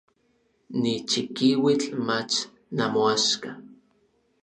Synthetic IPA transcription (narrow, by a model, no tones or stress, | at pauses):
nit͡ʃikiwit͡ɬmat͡ʃ | namoaʃka